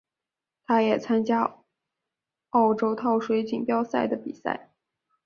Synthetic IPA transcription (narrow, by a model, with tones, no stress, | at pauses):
t̪ʰa˥jɛ˨˩t͡sʰa˥nt͡ɕja˥ | ɑ˥˩ʊʈ͡ʂo˥ʊt̪ʰɑ˥˩ʊʂwe˧˥ɪt͡ɕi˨˩ŋpjɑ˥ʊsa˥˩ɪd̪ə˩pi˨˩sa̰˥˩ɪ